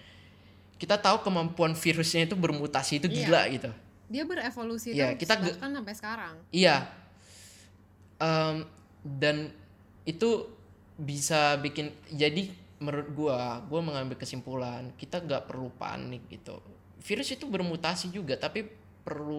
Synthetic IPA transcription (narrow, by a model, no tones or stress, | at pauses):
kit̪at̪aukəmampuanfiɾʊsɲait̪ubərmut̪asiːt̪uɡila̰ʔɡit̪u | diabəɾefolusijakit̪aɡkansampajsə̥kaɾaŋija | ʔəm | dan | it̪u | bisabikɪnd͡ʒadiməɾʊt̪̚ɡuaɡuaməŋambɪlkəsimpulankit̪aŋɡaʔpərlupa̰nɪk̚ɡḭt̪ṵ | fiɾʊsit̪ubərmut̪asid͡ʒuɡat̪api | pərlu